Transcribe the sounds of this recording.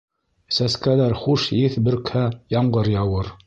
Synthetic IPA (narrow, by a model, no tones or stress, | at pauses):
sæskælæɾχuʃjiθbɵ̆ɾkhæjɑɴɢɤɾjɑwɤɾ